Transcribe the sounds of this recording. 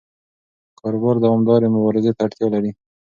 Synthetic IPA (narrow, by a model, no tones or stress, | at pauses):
kʰɑɾʊbɑɾd̪awɑmd̪ɑɾemʊbɑɾɪzet̪aːʈt̪jɑlaɾi